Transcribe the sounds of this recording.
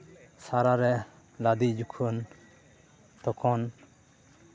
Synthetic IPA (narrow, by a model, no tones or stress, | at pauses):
saɾaɾɛ | lad̪id͡ʒukʰun | t̪ɔkʰɔn